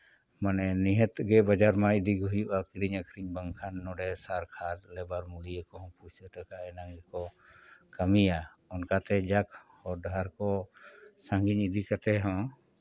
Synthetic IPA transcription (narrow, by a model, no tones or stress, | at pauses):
manɛniɦət̪ɡɛbad͡ʒaɾmãid̪iɡʱuujuʔakiɾiɲəkʰɾiɲbəŋkʰanːɔɖɛsaɾkʰat̪lɛbaɾmulijəkɔɦɔ̃put͡ʃt̪əʈəkaʔɛnãŋɡɛkɔ | kamija | ɔnkat̪ɛd͡ʒak̚ʰhɔɖaɾkɔsãŋɡiɲid̪ikat̪ɛɦɔ̃